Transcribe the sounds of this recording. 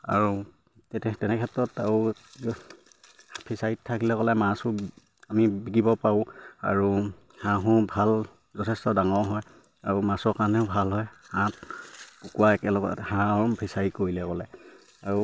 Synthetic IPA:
a̰ɹu | tɛtɛtɛnɛkʰɛtɹɔtaɹu | pʰisaittʰakilɛkɔlɛmãsʊ | amibiɡibɔpaʊ̃a̰ɹu | hãɦʊ̃ɹbʱal | zɔtʰɛstɔdaŋɔɹɦɔj | aɹumãsɔɹkaɹnɛʊbʱalɦɔjhãtkukuwaɛkɛlɔɡɔ̰hãɔbʰisaɹikoɹilɛkɔlɛ | aɹu

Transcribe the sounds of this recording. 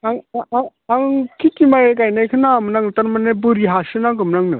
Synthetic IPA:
aŋaaŋkʰitimajekajnajkʰɯnamɯnaŋnɯtaɾmanebuɾiɦasɯnaŋkɯmnaŋnɯ̰

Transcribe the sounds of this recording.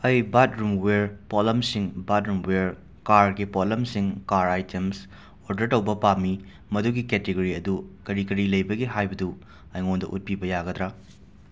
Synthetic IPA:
ɐjbatɾumweɾpolɐmsiŋbatɾumweɾ | kaɾɡipolɐmsiŋkaɾajtems | oɾdɐɾtɐwbɐpami | mɐduɡiketeɡoɾiɐdukɐɾikɐɾilɐjbɐɡiɦajbɐdu | ɐjŋondɐʔut̚pibɐjaɡɐdɾa

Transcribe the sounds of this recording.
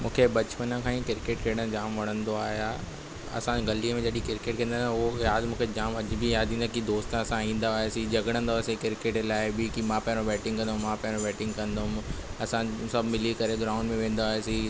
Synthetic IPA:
mũːkʰebɐt͡ɕpənə̃kʰãːĩkɪɾkeːʈ̚keːɽ̃ə̃d͡ʑaːmʋɐɽ̤̃ə̃nd̪oaːɦija | ɐ̰sãɡɐliəmẽd͡ʑɐɗĩkɪɾkeːʈ̚kẽːnd̪aʊojaːd̪mũːkʰed͡ʑaːmɐd͡ʑbijaːd̪ʱĩːnd̪akid̪oːst̪ːɐsãĩːnd̪aːɦesid͡ʑɐɡəɽ̃ə̃nd̪aːesikɪɾkeːʈlaːɪbɪkimãpɐ̃ɦobɛːʈɪ̃ŋɡkɐ̃nd̪ɦʊ̃mːãːpɐ̃ɦɪ̃õbɛːʈɪ̃ŋɡkɐ̃nd̪oʊmɐsãsɐbʱmɪlikɐɾeɡɾãːʊ̃ɳɖmẽʋẽːn̆d̪aːɦesi

